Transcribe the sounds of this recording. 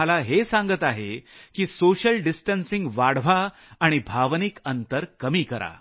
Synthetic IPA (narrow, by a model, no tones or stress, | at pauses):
alaɦesãŋɡət̪aɦekiːsoɕəlɖisʈənsiŋɡʋaɽʋ̤aː | ɽ̃ibʱaʋnikənt̪əɾkəmiːkəɾa̰